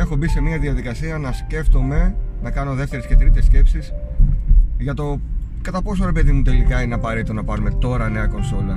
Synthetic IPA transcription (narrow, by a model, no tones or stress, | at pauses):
e̞xobise̞miɐðiɐðikɐsiɐnɐsce̞ft̪o̞me̞nɐkɐno̞ðe̞ft̪e̞ɾesce̞t̪ɾit̪esce̞psis | ʝɐt̪o̞kɐt̪ɐpo̞s̬oɾe̞pe̞ðimut̪e̞likɐineɐpɐɾeit̪onɐpɐɾume̞t̪o̞ɾɐne̞ɐko̞nso̞lɐ